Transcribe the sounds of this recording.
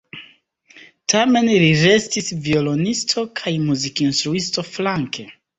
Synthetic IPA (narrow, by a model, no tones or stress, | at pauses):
tʰame̞nliɾe̞stisviolo̞nistʰo̞kʰajmuzikinstɾuisto̞flaŋkʰe